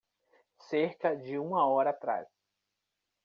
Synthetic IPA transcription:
seɾkɐd͡ʒɪũmɐɔɾɐːt̪ɾa̰s

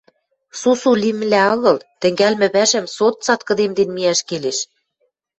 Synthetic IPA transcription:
susulim̆læɤ̆ɣɤ̆lt̪ɘ̆ŋɡælmɘ̆βæʒɘ̆msot̪̚t͡sɑt̪kɤ̆d̪emd̪enmiæʃkeleʃ

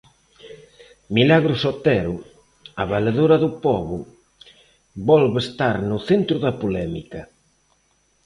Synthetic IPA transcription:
milaɣɾʊsot̪ɛɾʊ | aβaleðoɾɐðʊpɔβʊ | bɔlβest̪aɾnʊθent̪ɾʊðɐpolɛmḭkɐ

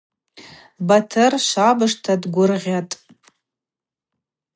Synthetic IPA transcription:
batʰɨrʃʷabɨʂtʰadɡʷʊrʁʲatʼ

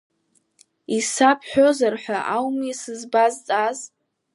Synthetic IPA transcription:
isapʰħʷᶣo̞zarħʷᶣaʔawmisɨzbazt͡sʼaz

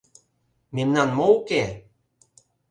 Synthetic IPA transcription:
minnanmowke

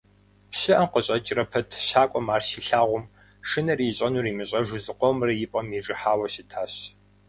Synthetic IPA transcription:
pɕɪʔɐmqəɕʼɐt͡ʃʼrɐpʰɐtʰʃaːkʷʼɔmaːrʃiːɬaːʁʷʊm | ʂɨnɐriːɕʼɐnuːriːmɨɕʼɐʒʊzɨqʷɔmrɐjɪpʼɐmiʈ͡ʂʼɨħaːwɐɕɪtʰaːɕ

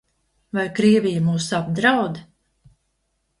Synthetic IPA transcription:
vajkɾiɛvijamuːsab̚d̪ɾawd̪

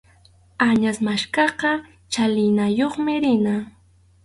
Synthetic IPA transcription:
aɲasmaʃkɑqɑ | t͡ʃalɪjnajoχmɪɾɪna

